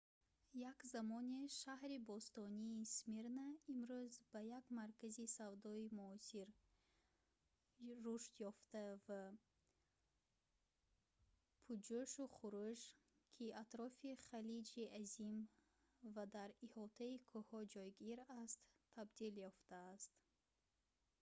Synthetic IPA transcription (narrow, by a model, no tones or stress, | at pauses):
jakzamɔniʃahɾibɔst̪ɔniːsmiɾnaimɾuzbajakmaɾkazisavd̪ɔimuɔsiɾ | uʃt̪jɔft̪ava | pʰud͡ʒuʃuχuɾud͡ʒ | kʰiʔat̪ɾɔfiχalid͡ʒiazim | vad̪aɾihɔt̪ʰaikʰɔhɔd͡ʒɔjɡiɾast̪ʰː | abd̪iljɔft̪aːst̪